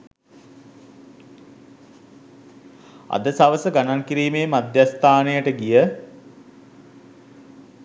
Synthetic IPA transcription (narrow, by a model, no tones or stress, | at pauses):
a̰d̪əsaʋəsəɡanankiɾiːmejəmad̪jast̪aːnejəʈəɡijə